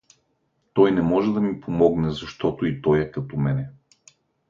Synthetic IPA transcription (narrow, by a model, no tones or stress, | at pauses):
t̪ɔjnɛmɔʒɛd̪ɐmipʰomɔɡnɛzɐʃt̪ɔt̪oit̪ɔjɛkat̪ɔmɛnɛ